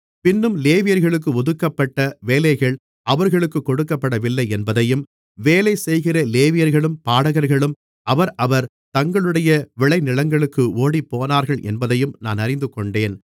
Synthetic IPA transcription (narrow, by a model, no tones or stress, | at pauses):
pɪnːɯmleːʋɪjɐɾɣɐɭɯk̬ːɯɔðɯkːɐpːɐʈːɐʋeːlɐɪɣɐɭ | ʔɐʋɐɾɣɐɭɯkːɯkːɔɽɯkːɐpːɐɽɐʋɪlːɐɪɛnbɐðɐjɯm | ʋeːlɐɪsɛjɣɪrɐleːʋɪjɐɾɣɐɭɯmpaːɽɐɣɐɾɣɐɭɯm | ʔɐʋɐɾʔɐʋɐɾ | t̪ɐŋɡɐɭɯɽɐjɐʋɪɭɐɪnɪɭɐŋɡɐɭɯkːɯoːɽipːoːnaːɾɣɐɭʔɛ̰nbɐðɐjɯmna̰ːnɐɾɪnd̪ɯkɔɳɖeːn